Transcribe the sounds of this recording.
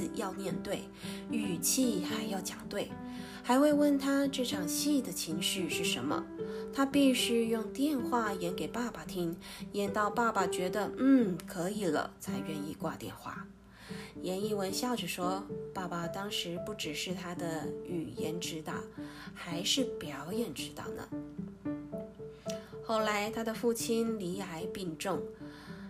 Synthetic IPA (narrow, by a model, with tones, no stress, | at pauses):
jɑ˥˧ʊmjɛ˥˧nt̪we˥˩ɪy˨˩t͡ɕʰi˥˧xa˧˥ɪjɑ˥˩ʊt͡ɕjɑ˨˩ŋt̪we˥˩ɪ | xa˧˥ɪxwe˥˧ɪwə˥˧nt̪ʰa˥ʈ͡ʂɤ˥˩ʈ͡ʂʰɑ˨˩ŋɕi˥˩d̪ə˩t͡ɕʰi˧˥ŋʂɻ̩˥˧ʂɻ̩˥˩ʂə̰˧˥nmə̰˧t̪ʰa˥pi˥˧ɕ̩˥jʊ˥˧ŋt̪jɛ˥˧nxwa˥˩jɛ˧˥nke˨˩ɪpa˥˩ba˨˩t̪ʰi˥ŋjɛ˧˥nt̪ɑ˥˧ʊpa˥˩pa˩t͡ɕɥɛ˧˥d̪ə˧n̩˥˩kʰɤ˧˥i˨˩lə̰˦t͡sʰa˧˥ɪɥɛ˥˧ni˥˧kwa̰˥˧t̪jɛ̰˥˧nxwa̰˥˩ | jɛ˧˥ni˥˩wə˧˥nɕjɑ˥˧ʊʈ͡ʂɻ̩˨˩ʂwɔ˥pa˥˩pa˨˩t̪ɑ˥ŋʂɻ̩˧˥pu˥˩ʈ͡ʂɻ̩˨˩ʂɻ̩˥˩t̪ʰa˥d̪ə˨y˨˩jɛ˧˥nʈ͡ʂɻ̩˧˥t̪ɑ̰˥˩xa˧˥ɪʂɻ̩˥˩pjɑ˧˥ʊjɛ˨˩nʈ͡ʂɻ̩˧˥t̪ɑ̰˥˩ʊnə̰˩ | xo˥˩ʊla˧˥ɪt̪ʰa˥d̪ə˨fu˥˩t͡ɕʰi˥nli˧˥a˧˥ɪpi˥˧ŋʈ͡ʂʊ˥˩ŋ